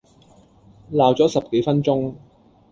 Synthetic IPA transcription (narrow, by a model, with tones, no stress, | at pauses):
laː˨wt͡sɔː˨˥sɐ˨p̚ke˨˥jfɐ˥nt͡sʊ˥ŋ